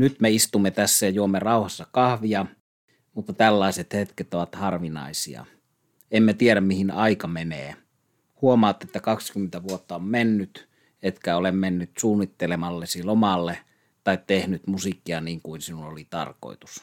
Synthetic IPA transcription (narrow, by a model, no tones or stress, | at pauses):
nyt̪meist̪umːet̪æsːæjɑjuomːerɑuhɑsːɑkɑhʋiɑ | mut̪ːɑt̪ælːɑˑiset̪het̪ket̪oʋɑt̪hɑrʋinɑ̰isḭɑ̰ | emːet̪ieɾæmmihinɑikɑmeneː | huomɑːt̪ːet̪ːækɑkskymːent̪æʋuot̪ːɑommenːyt̪ | et̪kæolemmenːyt̪suːnːit̪ːelemɑlːesilomɑlːe | t̪ɑit̪tehnyt̪musikːˑiɑniːŋkuinsinulolit̪ɑ̰rko̰ˑit̪u̥s